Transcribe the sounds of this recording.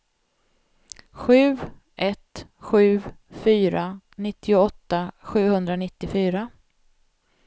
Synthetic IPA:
ɧʉ̟ː | ʔɛt̪ɧʉ̟ːfyːɾa | nɪt̪ʰːɪʊɔt̪ːaɧʉ̟ːhɵnd̪ɾanɪt̪ːɪfyːɾa

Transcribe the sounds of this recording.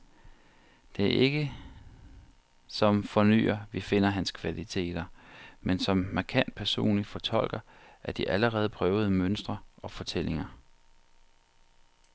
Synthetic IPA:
d̥e̝æɐʔe̝ɡ̥ə | sɒ̽mfɒ̽ny̰ːɐʋife̝n̰ɐɦænskʰʋælit͡sʰe̝̰ːd̥ɐmensɒ̽mːɑ̈kʰæn̰d̥̚pʰæɐso̝̰ːnlifɒ̽t͡sʰɒ̽l̰ɡ̥ɐʔæɐd̥iʔæləʁɛːð̞̩ˠpʰʁœːʊð̞̩ˠmønsd̥ʁɐʔɒ̽fɒ̽t͡sʰelʔe̝ŋɐ

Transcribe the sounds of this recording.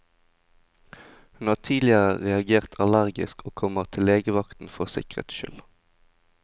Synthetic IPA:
hʉnhɑːʁt̪ʰiːlɪəʁəʁɛɑɡeːʁt̪ʰɑlæʁɡɪ̰skʰoːkʰɔməʁt̪ʰɪleːɡəʋɑkt̪n̩fɔʁsɪ̰kʁə̰t̪ʃʏ̰l

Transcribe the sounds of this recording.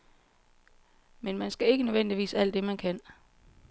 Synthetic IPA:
menmænsɡ̥æe̝ɡ̥ənøʋen̰d̥iʋḭːsæl̰d̥ːe̝mænkʰæn

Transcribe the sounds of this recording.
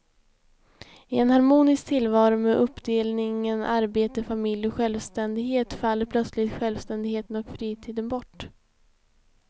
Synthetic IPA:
ɪɛnhaɾmuːnɪsk̚t̪ʰɪlːvɑːɾʊmɛʔɵpːd̪eːlnɪŋənʔaɾbeːt̪əfamɪljɔkɧɛlvst̪ɛnd̪ɪɡheːt̪falːəɾpʰlœt̪slɪɡt̪ɧɛlvst̪ɛnd̪ɪɡheːt̪ənɔkfɾiːt̪ʰiːd̪ənbɔʈː

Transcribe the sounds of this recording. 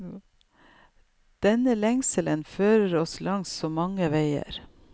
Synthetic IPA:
d̪̥ɛnəlɛŋsələnføːɾəɾɔslɑŋssoːmɑŋəʋeɪə̰ɾ

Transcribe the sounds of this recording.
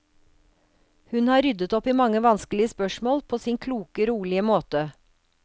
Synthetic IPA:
hʉnhɑːɾʏd̪ət̪ɔpiːmɑŋəʋɑnsklɪəspœʃmoːlpʰoːsiːŋkʰluːkəɾuːlɪəmoːt̪ə

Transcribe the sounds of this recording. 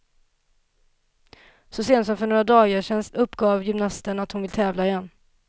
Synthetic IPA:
sɔseːnsɔmfœɳoːɾad̪ɑːɡeːʂɛnst̪ɵpːɡɑːvjʏmnast̪əɳat̪hʊnvɪlt̪ʰɛːvlaɪjɛnː

